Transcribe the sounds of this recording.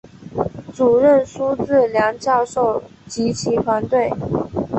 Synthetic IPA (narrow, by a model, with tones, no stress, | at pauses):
t͡su˨˩ɻə˥˩nʂu˥ʈ͡ʂɻ̩˥˩ljɑ˧˥ŋt͡ɕjɑ˥˧ʊʂo˥˩ʊ | t͡ɕi˧˥t͡ɕʰi˧˥t̪ʰwa˧˥nt̪we˥˩ɪ